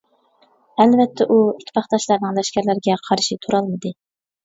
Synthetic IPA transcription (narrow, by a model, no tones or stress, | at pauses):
ælvɛt̪ʰːɛʔuit̪ʰːpʰɑχt̪ɑʃlˠɑɾnɨŋlɛʃkʲæɾlæɾɡʲɛqʰɑɾʃit̪ʰuɾɑlˠmɨd̪ɨ